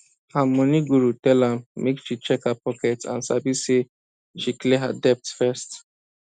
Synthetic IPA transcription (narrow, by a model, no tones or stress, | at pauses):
hamɔniɡuɾutɛlam̩mekʃit͡ʃɛkapɔkɛtã̰nsa̰bise | ʃikleɦa̰dɛp̚tfɛst